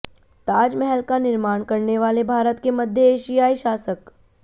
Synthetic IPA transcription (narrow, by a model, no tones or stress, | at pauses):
t̪aːd͡ʒmɛɦɛlkanɪɾmaːɽ̃kɐɾneʋaːlebʱaːɾət̪kemɐd̪ʱjeeːʃijaːiʃaːsək